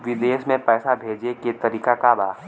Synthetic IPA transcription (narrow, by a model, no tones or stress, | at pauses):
ʋɪd̪eːʃmẽpɛːsabʱeːd͡ʒeket̪ɐɾiːkakabaː